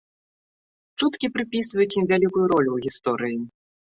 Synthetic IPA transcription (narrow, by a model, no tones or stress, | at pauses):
t͡ʂut̪kʲipɾʲɪpʲisɨvəjt̪ʲimʲvʲælʲikujʊɾolʲuɣʲist̪oɾʲii